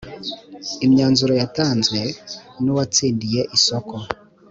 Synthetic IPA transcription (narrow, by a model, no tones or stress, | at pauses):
imɲaːnzuɾojataːnzɡwe̞nuwat͡siːndije̞ʔisoko